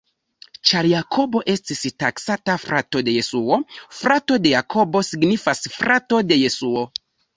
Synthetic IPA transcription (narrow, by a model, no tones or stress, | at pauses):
t͡ʃaɾjakʰo̞bo̞ʔe̞stistaksatafɾato̞de̞je̞suo̞fɾato̞de̞jakʰo̞bo̞siɡnifasfɾato̞de̞je̞suo̞